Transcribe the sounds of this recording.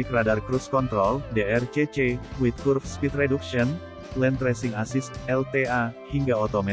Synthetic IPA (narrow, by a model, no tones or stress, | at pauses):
ikəɾadarkɾuskɔnt̪ɾɔldeɛrt͡ʃet͡ʃewit̪̚kurfspit̪ɾɛduk̚ʃiɔn | lɛnt̪ɾɛsɪŋasisɛlt̪eahiŋɡaɔt̪ɔmɛ